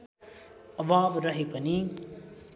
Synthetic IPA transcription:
ʌʋaːbɾʌɦepʌni

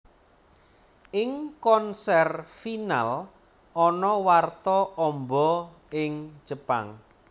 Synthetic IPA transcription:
ɪŋkɔnsɛrfina̰l | ɔnɔwart̪ɔɔmbɔ | ɪŋ̥d͡ʒ̥əpa̰ŋ

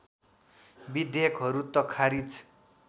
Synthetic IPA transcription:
bid̪ekɦʌɾut̪ʌkʰaɾit͡sʰ

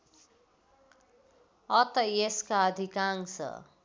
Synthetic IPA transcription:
ʌt̪ʌeskaʌd̪ʱikaŋsʌ̰

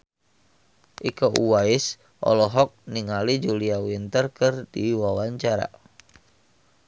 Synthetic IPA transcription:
ʔikoʔuwaɪs | ʔɔ̰lɔɦɔk̚niŋalid͡ʒuliawint̪ərkɨrdiwawaɲt͡ʃaɾa̰

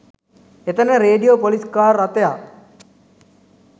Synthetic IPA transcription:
et̪ənəɾeːɖijopoliskaːrːat̪eja

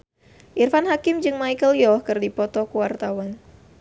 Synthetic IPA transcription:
ʔirfanɦakɪmd͡ʒɨŋmajkəljɔhkɨrdipɔt̪ɔkuwart̪awan

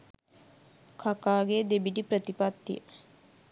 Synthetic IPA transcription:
kʰakaːɡed̪ebiʈipɾət̪ipat̪ːḭjə

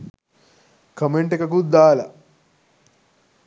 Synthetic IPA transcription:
kɐmeɳʈekɐkut̪̚d̪aːlɐ̰

